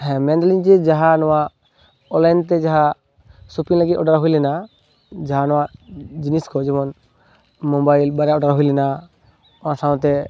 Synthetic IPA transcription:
ɦɛ̃mɛ̃ndaliɲd͡ʒɛd͡ʒaɦanɔwa | ɔlanɖt̪ɛd͡ʒaɦa | supiŋlaɡit̪ɔɖaɾɦujlɛna | d͡ʒaɦanɔwad͡ʒiniskɔd͡ʒɛmɔn | mɔbajlbaɾɛɔɖaɾaɦujlɛna | ɔãsaw̃t̪ɛ

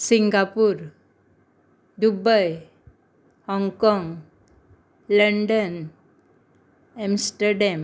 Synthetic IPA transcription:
siŋɡapuːɾ | d̪ubəj | hɔ̃ŋkɔ̃ŋɡ | ləɳɖən | emsʈəɾɖɛm

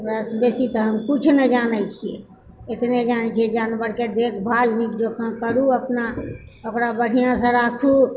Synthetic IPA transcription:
pɾasbesit̪ɔɦəmkut͡ʃʰnəd͡ʒanɛt͡ʃʰiḛ | et̪ned͡ʒanɛt͡ʃʰiɛd͡ʒanbəɾked̪ekʰbʱalnikd͡ʒokʰãkəɾuəpna | okɾabəɽ̤ʱijãsə̃ɾakʰu

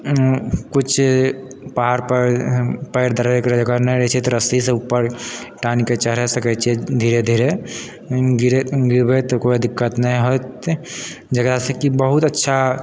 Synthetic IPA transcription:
kut͡ʃʰ | paɦaɾpəpəɪɾd̪əɾbekɾd͡ʒəɡanə̃ɾɛt͡ʃʰit̪ɾəsiseupːəɾʈaniket͡ʃəɦɾɛsəkɛt͡ʃʰed̪ʱiːɾed̪ʱiɾe | ɡiɾeɡiɾbɛt̪ɔkoiəd̪ʱɪkːət̪nĩɦot̪ | d͡ʒəɡɾasekibəɦut̪ətːʃʰa

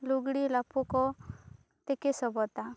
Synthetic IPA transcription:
luɡɽilapokɔ | t̪ekesɔbɔt̪a

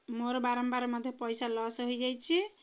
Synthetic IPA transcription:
moɾbaɾəmbaɾməd̪ʱjepəjsalɔsɦod͡ʒajt͡ʃʰi

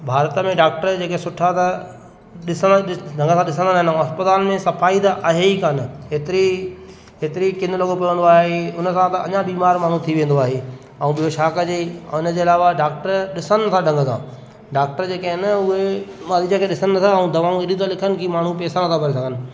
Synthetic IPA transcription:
bʱaːɾət̪əmẽɖaːk̚ʈəɾd͡ʑeːkesʊʈʰat̪ɐ | ɗɪsəɖʱɐ̃ŋɡəsʰãɗɪs̬ə̃nd̪anaːɦɪnũɐspɪt̪aːlmẽsɐfaːit̪aʔaɦeikaːnɪɦeːt̪ɪɾi | ɦeːt̪ɪɾikɪ̃nd̪lɐɡopijʋə̃nd̪oaːɦeʊnəsãt̪ɐɐ̰ɲãbiːmaːɾmaːɳ̤ũt̪ʰiʋẽːn̆d̪oaːɦeː | ɐũɓijoʃaːkəd͡ʑeːʊnə̆d͡ʑeːɐlaːʋaɖaːk̚ʈəɾɗɪsən̆t̪ʰãɖʱɐ̃ŋɡət̪ʰã̰ː | ɖaːk̚ʈəɾd͡ʑeːkeɦɪnʊɦemaːlid͡ʑə̃kʰeɗɪsənnɐt̪ʰaɐũd̪ɐʋãːɪɗĩt̪ʰalɪkʰənɪ̆kʰiːmaːɳ̤ũpɛːsãnɐt̪ʰãbʱɐɾes̬ɐɡʱənɪ̆

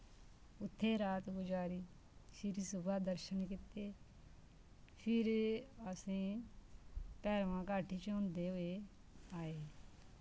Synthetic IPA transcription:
ʊt̪ʰːeːɾaːt̪kʊd͡ʒaːɾiː | sʰɪɾsʊbaːd̪əɾʃənkɪt̪ːeː | pʰɪɾəsẽː | pɛːɾʋãːkaːʈʰiːt͡ʃõːnd̪eːɦoːeː | aːeː

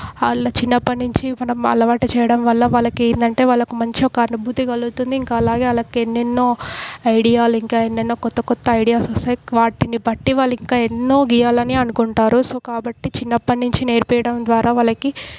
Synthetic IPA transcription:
ɐlɐt͡ʃinːɐpːɐnːiɲt͡ʃimɐnɐmɐ̰lɐʋaːʈit͡ʃɛːjɐɽɐmʋɐlːɐʋaːlːɐkeːjind̪ɐɳʈe̞ːʋaːlːɐkumɐɲt͡ʃiɔkɐːnubʱut̪iɡɐluut̪und̪iːŋkɐːlaːɡe̞ːɐlɐkienːenːo̞ːɐjɽijaːluiŋkaːenːenːoːkɔt̪ːɐkɔt̪ːɐɐjɽijaːsɔst̪ɐjʋaːʈinibɐʈːiʋaːlːiŋkaːe̞nːo̞ːɡijaːlɐniɐnukuɳʈaːɾusoːkaːbɐʈːit͡ʃinːɐpːɐnːiɲt͡ʃine̞ːɾpɛjɐɽɐmd̪ʋaːɾaːʋaːlɐki

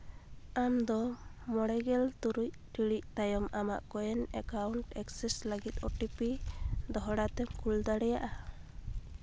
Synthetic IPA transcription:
amd̪ɔmɔɽɛɡɛlt̪uɾuc̚ʈiɽic̚t̪ajɔmama̰ʔkɔjɛnɛkawɳʈɛksɛsləɡit̪̚ɔʈipid̪ɔɦɔɽat̪ɛmkuld̪aɽɛjaʔa

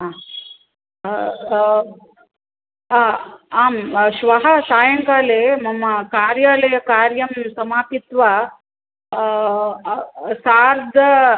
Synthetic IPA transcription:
aː | aːmʃʋɐɦɐsaːjɐŋkaːleːmɐmːɐkaːɾjaːlɐjɐkaːɾjɐmsɐmaːpit̪ʋa | saːɾd̪ʱɐ

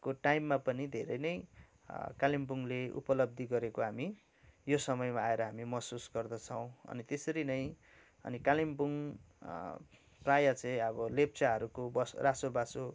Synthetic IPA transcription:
koʈajmːapʌnid̪ʱeɾʌjnʌj | kalimbuŋleṵpʌlʌb̚d̪ʱiɡʌɾekoɦami | josʌmʌjmaːeɾʌɦamimʌsusɡʌrd̪ʌt͡sʰʌw̃ʌ̰nit̪esʌɾinʌj̃ | ʌ̰nikalimbuŋ | prajat͡sʌj̃ʌbʌlep̚t͡saɦʌɾukobʌsrasobaso

